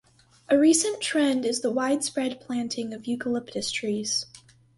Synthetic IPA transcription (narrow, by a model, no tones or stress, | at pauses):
ʔɨɹisɨ̃ntʰɹ̥ɛ̃ndɨzðəwaɪd̥spɹɛd̚pʰl̥æ̃ntʰɪ̃ŋʌvjʉkəlɪptɨstʰɹ̥iz̥